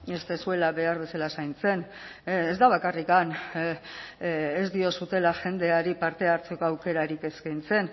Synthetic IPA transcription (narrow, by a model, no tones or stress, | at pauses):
est̪esue̞laβe̞aɾβe̞salasajnt͡se̞n | ezd̪aβ̞akarikan | ezd̪io̞sut̪e̞laʝe̞nd̪e̞aɾipaɾt̪e̞aɾt͡se̞ko̞awke̞ɾaɾike̞skajnt͡se̞n